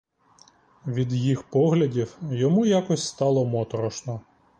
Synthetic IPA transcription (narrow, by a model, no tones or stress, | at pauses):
ʋʲid̪jixpɔɦlʲɐdʲiwjɔmujakɔsʲst̪ɑlˠɔmɔt̪ɔɾɔʃnɔ